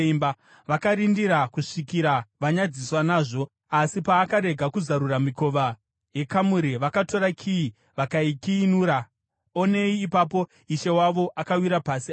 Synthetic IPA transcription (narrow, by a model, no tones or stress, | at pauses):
imba | ʋakaɾindiɾakuʂikiɾaʋaɲad͡ziswanaːʐo̞ | asipaːkaɾe̞ɡʱakuzaɾuramiko̞ʋa | je̞kamuɾiʋakato̞ɾakʰii | ʋakaikiinuːɾa | one̞iːpapo̞ | iʃe̞waʋo̞ʔakawiɾapasi